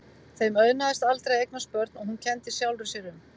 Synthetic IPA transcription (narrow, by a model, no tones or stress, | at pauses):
θejmœɥnaðɪst̪alt̪ɾejejk̚naspœɾt̪nɔɣhuncʰɛnt̪ɪ̥sjawlrʏsɛɾʏm